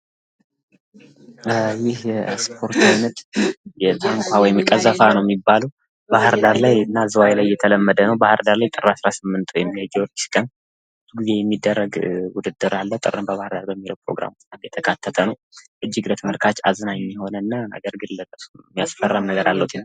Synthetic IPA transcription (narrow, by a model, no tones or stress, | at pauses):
jɪhspʰo̞ɾt̪ajnət̪jɛt̪ʰaŋkʷʰʼawɔjɪmkʼəzəfanəwjɛmːibːaləw | bahɨɾd̪aɾlajɨnːazəwajlajːɛt̪ʰələmːəd̪ənəwbahɨɾd̪aɾlajt̪ʼɨrːasɾasɨmːɨnt̪ʰʼwjɛmːiad͡ʒːɛwɾiʃkʼən | ɡize̞jɛmːid̪ːərːəɡwʊd̪ɨd̪ːɨɾalːət̪ʼɨ̰ɾɨmbəβahɨɾd̪aɾbəmːilə̰wpʰɾo̰ɡɾa̰mt͡ʃʼt̪jɛt̪ʰəkʰat̪ʰːət̪ʰənəwʔɨd͡ʒːɪɡɾət̪ʰmɨɾkʰat͡ʃʼazənaɲːmːɛho̞nəɨnːanə̰ɡəɾɡɨlːət̪ʼəsumːijasfərːamnəɡəɾalːəhut̪ʰɨn